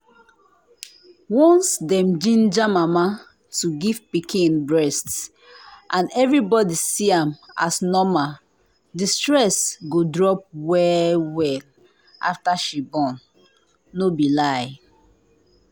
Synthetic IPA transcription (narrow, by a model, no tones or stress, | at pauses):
wɔ̃nsdɛ̃md͡ʒĩnd͡ʒamama | tuɡiv̥pikʰĩnbɹɛsts | ʔãnɛvɹibɔdisiãma̰snɔma | distɹɛsɡodɹɔp̚wɛwɛl | ʔa̰ftaʃibɔ̃nː | obilaj